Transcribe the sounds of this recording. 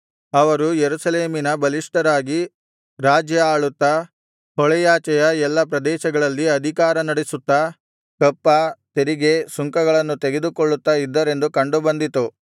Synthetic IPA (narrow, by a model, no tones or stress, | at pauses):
ɐʋɐɾujeɾusɐleːminɐbɐliʂʈɐɾaːɡi | ɾaːd͡ʒjɐaːɭut̪ːɐ | hɔɭɛjaːt͡ʃɐjɐɛlːɐpɾɐd̪ɛːʃɐɡɐɭɐlːiɐd̪ʱikaːɾɐnɐɽesut̪ːɐ | kɐpːɐt̪eɾiɡe̞suŋkɐɡɐɭɐnːut̪eɡe̞d̪ukoɭːut̪ːɐid̪ːɐɾe̞nd̪ukɐɳɖubɐnd̪it̪u